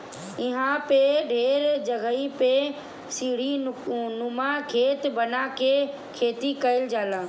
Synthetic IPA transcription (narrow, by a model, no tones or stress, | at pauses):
ɪɦãpeɖʱeːɾd͡ʒəɡəipe | siːɽ̤inʊmakʰeːt̪bənake | kʰeːt̪ikəɪld͡ʒaːlãː